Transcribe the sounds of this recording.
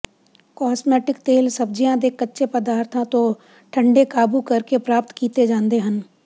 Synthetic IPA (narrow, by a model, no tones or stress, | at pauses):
kɔːsmɛːʈɪkt̪eːlsəb̚d͡ʒijãd̪ekətːʃepəd̪aːɾt̪ʰãt̪õ | ʈʰə̃ɳɖekaːbukɐɾkepɾaːp̚t̪kiːt̪ed͡ʒãːnd̪eɦən